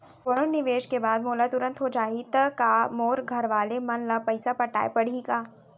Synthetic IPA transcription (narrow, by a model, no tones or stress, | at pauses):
poɽ̃onɪʋeːʃkebaːd̪moːlat̪ʊɾə̃nt̪ɦod͡ʒaːɦit̪ɐkaːmoːɾɡʱɐɾʋaːlemɐnlɐpɐɪsapɐʈa̰ːepɐɽ̤ikaː